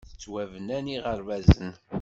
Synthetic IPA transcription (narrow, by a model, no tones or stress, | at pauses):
θət͡sːwævənæniʁəɾvæzən